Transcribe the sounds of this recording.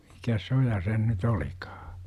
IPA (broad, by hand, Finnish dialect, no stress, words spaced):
mikæs s o jɑ sen nyt olikɑ̥ː